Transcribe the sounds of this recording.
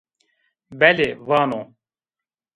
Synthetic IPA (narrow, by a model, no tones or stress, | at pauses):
bɛlevaːnoː